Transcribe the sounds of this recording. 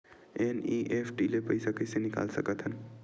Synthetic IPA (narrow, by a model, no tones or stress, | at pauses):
eniːʔeːpʰʈiːlepəɪsakɪsenɪka̰ːlsəkət̪ɦən